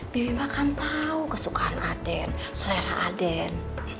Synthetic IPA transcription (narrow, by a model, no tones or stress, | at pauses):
b̥ibimakant̪aukasukaanʔadɛn | sɔlɛɾa̰ʔadɛn